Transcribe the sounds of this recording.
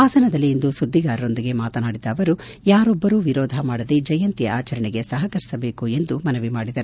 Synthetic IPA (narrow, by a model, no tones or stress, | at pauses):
aːsɐnɐd̪ɐlːiːnd̪usud̪ʱːiɡaːɾɐɾo̞nd̪iɡe̞maːt̪ɐnaːɽid̪ɐːʋɐɾu | jaːɾɔbːɐɾuːʋiɾɔːd̪ʱɐmaːɽɐd̪ed͡ʒɐjɐnt̪ijɐaːt͡ʃɐɾɐɳɛɡe̞sɐɦɐkɐɾisɐbeːkue̞nd̪umɐnɐʋimaːɽid̪ɐɾu